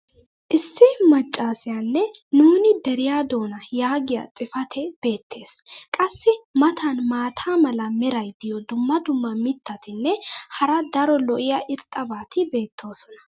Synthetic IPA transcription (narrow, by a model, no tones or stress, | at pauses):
ʔɪsːɪmɐt͡ʃʼːaːsɪjanːɛnuːnɪd̪ɛɾɪjaːd̪o̞ːnɐjaːɡɪja̰t͡sʼɪfɐt̪ʰɛb̥e̞ːt̪ːe̞ːskʼɐsːɪmɐt̪ʰɐnmaːt̪ʰaːmɐlɐmɛɾɐjd̪ɪjɔd̪ʊmːɐd̪ʊmːɐmɪt̪ʰːɐt̪ɪnːɛhɐɾɐd̪ɐɾɔlɔʔɪjɐʔɪɾt̪ʼːɐbaːt̪ʰɪbe̞ːt̪ːo̞ːsɔ̥nɐ̥